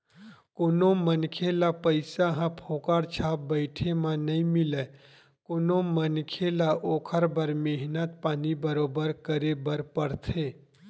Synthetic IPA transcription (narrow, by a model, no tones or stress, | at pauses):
koːnõmənkʰelapəɪsaɦãpʰoːkaːɾt͡ʃʰaːp̚bəɪʈʰemãnɐĩmɪle | koːnomənkʰelaʔoːkʰəɾbəɾmeɦnət̪̚paːnibəɾoːbəɾkəɾebəɾpəɾt̪ʰeː